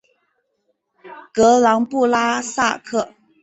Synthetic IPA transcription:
kɤ˧˥lɑ˧˥ŋpu˥˩la˥sa̰˥˧kʰɤ˥˩

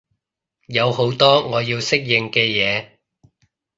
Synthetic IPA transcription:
jɐ˨˧who˨˥wt̪ɔː˥ŋɔː˨˧jiː˧wsɪ˥k̚jɪ˨ŋkɛː˧jɛː˨˧

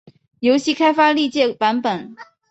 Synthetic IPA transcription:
jo˧˥ʊɕi˥˩kʰa˥ɪfa˥li˥˧t͡ɕjɛ˥˩pa˧˥npə˨˩˦n

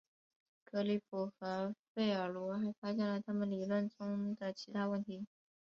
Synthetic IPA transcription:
kɤ˧˥li˧˥pʰu˨˩xɤ˧˥fe˥˩ɪə˞˨˩lɔ˧˥xa˧˥ɪfa˥ɕjɛ˥˩lə˨˩t̪ʰa˥mə˨nli˨˩lwə˥˩nʈ͡ʂʊ˥ŋd̪ə˨t͡ɕʰi˧˥t̪ʰa˥wə˥˩nt̪ʰi˧˥

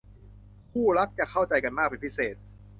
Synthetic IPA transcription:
kʰuː˥˩ɾa˦˥k̚t͡ɕa˨˩kʰa˥˩wt͡ɕa˧jka˧nmaː˥˩k̚pe˧npʰi˦˥seː˨˩t̪̚

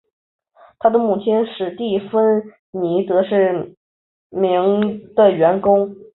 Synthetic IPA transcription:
t̪ʰa˥d̪ə˧˨mu˥˩t͡ɕʰi˥nʂɻ̩˥˩t̪i˥˩fə˥n | ni˧˥t̪ɤ˧˥ʂɻ̩˥˩ | mi˧˥ŋd̪̥ə˧ɥɛ˧˥nkʊ˥ŋ

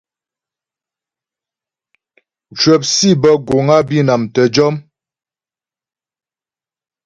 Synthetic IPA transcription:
t͡ʃwə˨p̚si˦˨bə˦ɡo˨ŋa˦bi˦na˨mtə˨d͡ʒɔ˦m

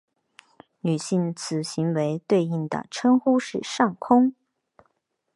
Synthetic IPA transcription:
ny˨˩ɕi˥˩nt͡sʰɹ̩˨˩ɕi˧˥ŋwe˧˥ɪt̪we˥˧ɪi˥˩ŋd̪ə̰˨˩ʈ͡ʂʰə˥ŋxu˥ʂɻ̩˥˧ʂɑ˥˩ŋkʰʊ˥ŋ

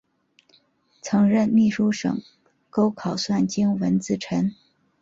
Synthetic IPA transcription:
t͡sʰɤ˧˥ŋɻə˥˧nmi˥˩ʂu˥ʂɤ̰˨˩ŋ | ko˥ʊkʰɑ˨˩ʊswa˥˩nt͡ɕi˥ŋwə˧˥nt͡sɹ̩˥˩ʈ͡ʂʰə˧˥n

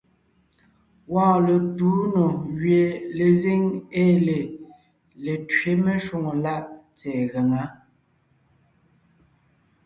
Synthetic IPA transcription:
wɔ̃ː˦˨lə˨tu˨˦no˨ɣɥe˨le˨zi˦ŋe˦˨le˨ | le˨tɥe˦me˦ʃu˦ŋo˨la˦ʔ | t͡sɛː˨ɣə˨ŋa˨˦

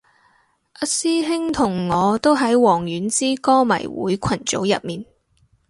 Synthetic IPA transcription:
ʔɐ˧siː˥ɦɪ˥ŋt̪ʰʊ˨˩ŋːɔː˨˧t̪o˥wɦɐ˨˥jwɔː˨˩ŋjyː˨˥nt͡siː˥kɔː˥mɐ̰˨˩jwṵː˨˥jkʷʰɐ˨˩nt͡ʃo̰˨˥wjɐ̰˨t̚miː˨n

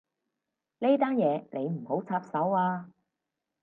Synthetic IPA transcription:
le˥t̪aː˥njɛː˨˧ne˨˧jm̩˨˩ho˨˥wt͡sʰaː˧p̚sɐ˨˥waː˧

